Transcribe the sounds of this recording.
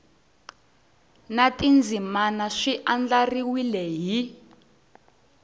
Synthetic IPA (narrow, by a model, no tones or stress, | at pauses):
natind͡zimanaʂiʔand͡ɮariwilɛɦi